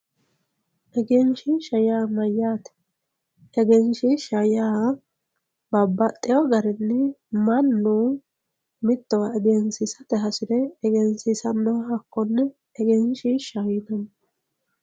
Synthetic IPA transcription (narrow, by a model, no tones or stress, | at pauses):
ʔɛɡɛnʃɪʃɐjaːmɐjːaːt̪ɛ̥ | ɛɡɛnʃɪʃɐjaː | bɐbːɐt̪ʼːɪjɔɡɐɾɛnːɪmɐnːu | mɪt̪ːɔwɐɛɡɛnsɪsɐt̪ɛɦɐsɪd̪ɛːɡɛnsɪsɐnːɔɦɐkːɔnːɛ | ɛɡɛnʃiʃɐjɪnɐn